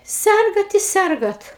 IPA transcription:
ˈsʲɛrɡɐt ɪ ˈsʲɛrɡɐt

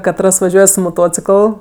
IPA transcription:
kɐˈtrɐs ʋɐˈʒʲuɔj sʊ moːˈtoːt͡sʲɪkəlˠ

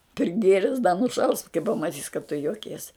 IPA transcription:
pʲrʲɪˈɡʲeːrʲɛs dɐ nʊˈʃɐʊs kɐɪ pɐmɐˈtʲiːs kɐt tʊ joːˈkʲiɛs

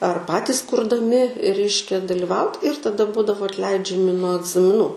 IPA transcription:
ɐr ˈpɑːtʲɪs kʊrdɐˈmʲɪ ˈrʲɛɪʃʲkʲɛ dɐlʲɪˈʋɐʊt ɪr tɐˈdɐ ˈbuːdɐʋoː ɐtʲˈlʲɛɪd͡ʒʲɛmʲɪ nuɔ ɐɡzɐmʲɪˈnuː

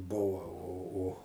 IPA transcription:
ˈbʊʋɐ oː oː

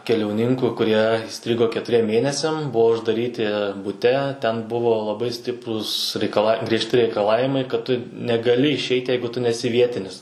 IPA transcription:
kʲɛlʲɛʊˈnʲɪŋkʊ kʊˈrʲiɛ iːˈsʲtʲrʲɪɡoː kʲɛtʊˈrʲiɛm ˈmʲeːnʲɛsʲɛm ˈbʊʋoː ʊʒdɐˈrʲiːtʲɪ bʊˈtʲɛ ˈtʲɛn ˈbʊʋoː lˠɐˈbɐɪ ˈsʲtʲɪpruːs rʲɛɪkɐˈlˠɐ ɡrʲiɛʃʲˈtʲɪ rʲɛɪkɐˈlˠɑːʋʲɪmɐɪ kɐt ˈtʊ nʲɛɡɐˈlʲɪ ɪʃʲˈɛɪtʲ ˈjɛɪɡʊ ˈtʊ nʲɛˈsʲɪ ˈʋʲiɛtʲɪnʲɪs

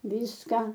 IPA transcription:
ˈʋʲiːskɐ

